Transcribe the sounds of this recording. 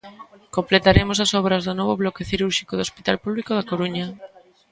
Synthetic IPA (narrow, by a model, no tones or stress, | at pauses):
komplet̪aɾemʊs̬ɐsɔβ̞ɾɐzðonɔβ̞oβlɔkeθiɾuɾʃikoðospit̪alpuβlikoðakoɾuɲɐ